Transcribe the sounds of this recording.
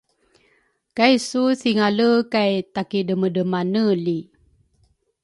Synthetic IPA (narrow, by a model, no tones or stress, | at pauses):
kajsusiŋaləkajt̪akidəmədəmanəli